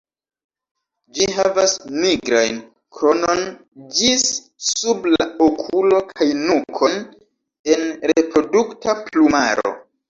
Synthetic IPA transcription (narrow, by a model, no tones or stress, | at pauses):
d͡ʒiɦavasmiɡɾajn | kɾo̞no̞n | d͡ʒisː | ublaokʰulo̞kʰajnukʰo̞n | e̞nɾepɾo̞duktapluma̰ɾo̞̰